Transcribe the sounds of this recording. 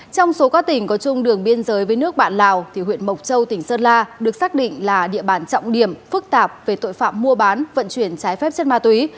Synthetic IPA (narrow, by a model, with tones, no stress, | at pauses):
t͡ɕɔ˧wŋ͡mso˨˦kaː˦˥k̚t̪ï˨˩ŋ̟kɔ˨˦t͡ɕʊ˧ŋ͡mɗɨ˨˩əŋɓi˧ənzəː˨˦jvəː˨˦nɨ˦˥ək̚ɓa̰ː˧˨nla̰ː˧˨˩wt̪ʰi˨˩ɦwḭ˧˨ənmə˨˩wk͡p̚t͡ɕə˧wt̪ï˧˩ŋ̟səː˧n̚laː˧ɗɨ˨˩ək̚saː˦˥k̚ɗḭ̈˧˨ŋ̟laː˨˩ɗḭ˧˨əɓaː˧˩nt͡ɕɔ̰˧˨wŋ͡mɗi˧˩əmfɨ˦˥k̚t̪aː˨˩p̚ve˨˩t̪o̰˧˨jfa̰ː˧˨mːu˧əɓaː˨˦nvə̰˧˨nt͡ɕwi˧˩ənt͡ɕaː˨˦jfɛ˦˥p̚t͡ɕə˦˥t̚n̚maː˧t̪wi˨˦